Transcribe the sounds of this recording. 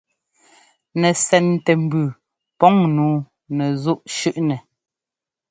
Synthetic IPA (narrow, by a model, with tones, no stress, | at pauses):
nɛ˨sɛ˨ntɛ˨m̩˨bʉ˨ | pɔ˦ŋnuː˨˦ | nɛ˨zu˦ʔʃʉ˦ʔnɛ˨